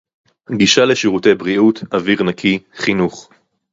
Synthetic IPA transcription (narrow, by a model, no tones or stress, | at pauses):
ɡiʃaleʃiʁute̞jbʁiutaviʁnakʰiχinuχ